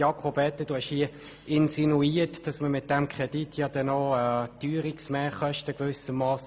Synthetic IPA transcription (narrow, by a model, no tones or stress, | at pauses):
ɑkʰobɛt̪ːəd̥uɛʃhiə | ɪnsinuiːtd̥ɑsməmɪt̚d̥ɛmkʰʁ̥ɛditʰjɑd̥ɛnotyːɾiksmɛːχœʃtəɡ̥vʏsəmːɑːs